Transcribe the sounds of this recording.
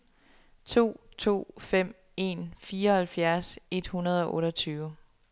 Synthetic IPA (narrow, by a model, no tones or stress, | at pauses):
t͡sʰo̝̰ːt͡sʰo̝̰ːfem̰ | e̝nfiːɐhælfjæɐse̝d̥hunɐð̞ˠɒ̽ʔɔ̽ːɾʌt͡sʰyːʊ